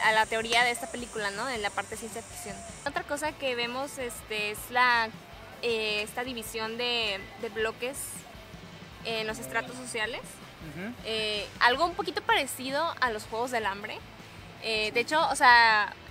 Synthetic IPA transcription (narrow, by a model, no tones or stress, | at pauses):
alat̪e̞o̞ɾiaðe̞est̪ape̞likulano̞ðenlapaɾt̪esjensjeaðfi̥ksjo̞not̪ɾako̞sake̞β̞e̞mo̞se̞st̪e̞ezla | eest̪aðiβisjo̞nd̪e̞d̪e̞βlo̞ke̞s | enlo̞s̬e̞st̪ɾat̪o̞s̬ːo̞sjale̞s | ealɣoumpo̞kit̪o̞paɾe̞sið̞o̞alo̞sxwe̞ɣ̞o̞zðe̞lambɾe̞ | ed̪e̞et͡ʃo̞ːsea